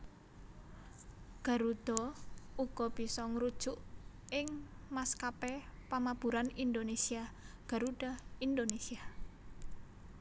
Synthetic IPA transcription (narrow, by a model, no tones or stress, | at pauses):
ɡ̥a̤ɾud̪̥ɔ̤uɡ̥ɔb̥isɔŋɾud̥ʒ̥ʊʔ | ɪŋmaskapɛpamab̥ṳɾanind̪onesia | ɡ̥a̤ɾuɖ̥aind̪onesia